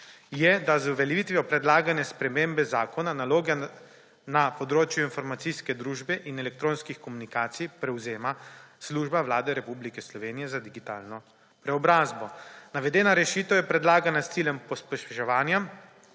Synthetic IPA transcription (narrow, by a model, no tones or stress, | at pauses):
jɛd̪azuʋɛlʲjɛʋit̪ʋijɔpɾɛd̪laːɡanɛspɾɛmeːmbɛzaːkɔnanaloːɡɛ | napɔd̪ɾoːt͡ʃjuinfɔɾmat̪siskɛd̪ɾuːʒbɛʔinɛlɛk̚t̪ɾoːnskixkɔmunikaːt̪sijpɾɛwzeːmasluʒbawlaːd̪ɛɾɛpublikɛslɔʋeːnijɛzad̪iɡit̪aːlnɔ | pɾɛɔbɾaːzbɔnaʋɛd̪ɛːnaɾɛʃiːt̪əwjɛpɾɛd̪laːɡanast̪siljɛmpɔspɛʃɛʃɛʋaːnja